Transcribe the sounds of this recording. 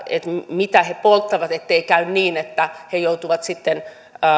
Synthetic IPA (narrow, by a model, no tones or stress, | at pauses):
ḛt̪mit̪æhepolt̪ːɑʋɑt̪et̪ːeikæynniːnet̪ːæhejout̪uʋɑt̪sit̪ːenː